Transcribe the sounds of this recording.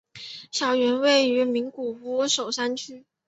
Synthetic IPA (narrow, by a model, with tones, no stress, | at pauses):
ɕjɑ˨˩ʊɥɛ˧˥nwe˥˩ɪy˧˥mi˧˥ŋku˨˩u˧˥ʂo˨˩ʊsa˥nt͡ɕʰy˥